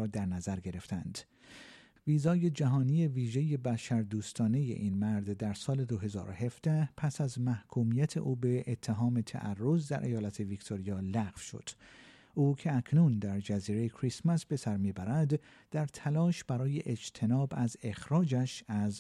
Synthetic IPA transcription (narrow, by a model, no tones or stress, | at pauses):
d̪æɾnæzæɾɡe̞ɾe̞ft̪ʰænd̪̥ | viːzɒːje̞d͡ʒæɦɒːnije̞viːʒe̞je̞bæʃæɾd̪uːst̪ɒːne̞je̞̰ʔiːnmæɾd̪d̪æɾsɒːle̞d̪oɦe̞zɒ̰ːɾo̰he̞fd̪̥æhpʰæsæzmæhkʰuːmijæt̪ʰe̞̰ʔuːbeʔet̪ʰːeɦɒːme̞t̪ʰæ̰ʔærːo̞zd̪æ̰ɾʔejɒːlæt̪ʰe̞vikt̪ʰo̞ɾijɒːlæɣfʃo̞̰d̪̥ | ʔuːcʰe̞ækʰnuːnd̪æɾd͡ʒæziːɾejkʰɾismæsbe̞sæɾmiːbæɾæd̪ | d̪̥æɾt̪ʰælɒːʃb̥æɾɒːje̞̰ʔed͡ʒt̪ʰe̞nɒːbæze̞xɾɒːd͡ʒæʃæz